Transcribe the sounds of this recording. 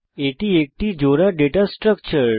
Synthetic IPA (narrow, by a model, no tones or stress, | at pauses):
eʈiek̚ʈiːd͡ʑoɾaɖeʈasʈɾək̚t͡ɕəɾ